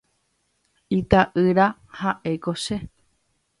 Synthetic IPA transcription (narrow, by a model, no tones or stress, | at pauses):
it̪aʔɨɾahaʔe̞koʃe